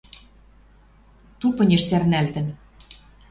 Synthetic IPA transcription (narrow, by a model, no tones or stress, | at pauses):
t̪upɤ̆nʲĕʃsærnælt̪ɘ̆n